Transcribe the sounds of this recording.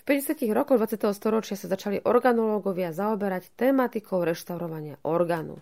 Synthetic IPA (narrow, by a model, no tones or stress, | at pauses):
fpɛɟɛsɪat̪iɣɾɔkɔɣd̪ʋat͡sɪat̪ɛɦɔst̪ɔɾɔt͡ʃɪasazat͡ʃaliʔɔɾɡanɔlɔːɡɔʋɪazaɔbɛɾact̪ɛːmat̪ikʰɔʊɾɛʃt̪aʊɾɔʋaɲɪa̰ʔɔɾɡaːnṵ